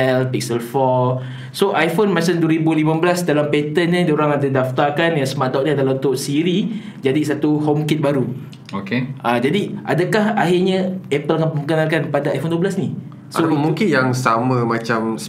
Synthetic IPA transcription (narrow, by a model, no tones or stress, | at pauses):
ɛlpik̚səlfɔ | soʔajfonmãt͡ʃamduwəɾibulimãbəlasdalampet̪ənɲədoɾaŋadadaft̪arkanjaŋsəmadɔʔ̚ɲiadalaunt̪ʊʔsiɾi | d͡ʒadisat̪uhomkit̪̚baɾu | okeʔad͡ʒadiʔadakahaɦirɲaɛpəlakanəməkənalkanpadaajfonduəblasni | soaponmuŋkɪnjaŋsamãmat͡ʃam